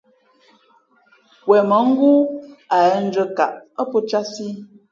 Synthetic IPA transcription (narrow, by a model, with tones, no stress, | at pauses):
wɛ˨mə˨˦ŋ̩˦ɡu˦a˨ɛ˦n̩˦d͡ʒə˦ka˨ʔə˦po˦t͡ʃa˦si˦